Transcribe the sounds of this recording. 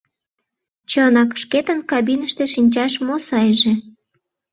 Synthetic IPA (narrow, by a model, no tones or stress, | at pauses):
t͡ɕənɑkʃket̪ənkɑbinəʃt̪eʃinʲt͡ɕɑʃmosɑjʒe